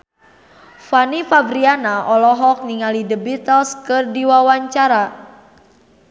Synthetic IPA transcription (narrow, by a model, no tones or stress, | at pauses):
fanifabɾianaʔɔlɔɦɔk̚niŋalidəbit̪əlskɨrdiwawaɲt͡ʃaɾa